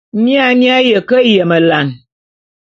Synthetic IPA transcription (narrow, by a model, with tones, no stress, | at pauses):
mja˦nja˦jə˨kə˦jə˨mə˨la˨n